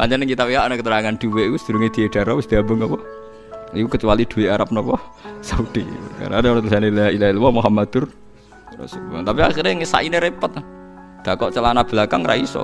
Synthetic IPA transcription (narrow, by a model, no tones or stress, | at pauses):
paɲt͡ʃanɪŋkit̪awiɦaʔnakət̪əɾaŋand̪̥uwekusəd̪̥ṳɾuŋed̪̥i̤eɖ̥aɾɔwɪsd̪iabʊŋɔpɔ | ikukət͡ʃuwalid̪̥ṳweaɾap̚nɔpɔsaud̪̥ika̰ɾaneoɾɔt̪əlsaneilailaɦilwɔmuɦamad̪̥ʊr | rɔ̰subɔŋt̪apiaχiɾeŋisa̰ʔineɾepət̪̚ | d̪̥a̤kɔʔt͡ʃəlanab̥əlakaŋrʔa̰isɔ̰